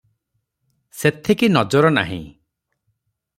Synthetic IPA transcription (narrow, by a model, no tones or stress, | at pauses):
set̪ʰekinɔd͡ʒɔɾɔna̰ɦḭ̃